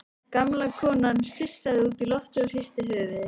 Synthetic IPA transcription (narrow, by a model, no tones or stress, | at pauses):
kamlakʰɔːnansɪsːaðɪuːt̪ilɔft̪ʏɾ̥hist̪ɪlœːvɪ